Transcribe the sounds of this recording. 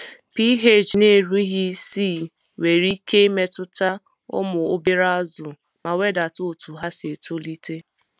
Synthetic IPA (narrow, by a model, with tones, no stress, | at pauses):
pi˦ɦe˦˨d͡ʒi˨ne˦˨ɾu˦ɦi˦si˦˨ | we˨ɾi˦ke˦e˦me˦tʊ˦ta˦ | ʊ̰˦mʊ˨o˦bi˦ɾa˦a˦zʊ˨ | ma˨we˦da˨to˦˨tu˨ɦa˦se˨to˦li˦te˦